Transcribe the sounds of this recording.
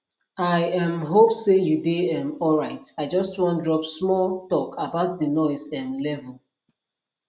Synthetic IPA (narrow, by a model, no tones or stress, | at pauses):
aɪɛ̃mɦopsejudeɛ̃mɔlɹaɪtaɪd͡ʒɔstwɔ̃ntdɹɔpsmɔltɔkʰabaʊt̚dənɔsɛ̃mlɛvɛl